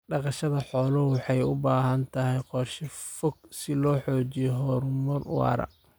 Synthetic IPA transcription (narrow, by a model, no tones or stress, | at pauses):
ɖɑqɑʃɐðɐħɔːlɐwɑħɑjʊbaːɦɐnt̪ʰɐɦɛjqɔrʃɪfɔɡ̚sɪlɔːħɔːt͡ʃɪjɔɦɔrmɔrwɑ̰ːɾɐ̰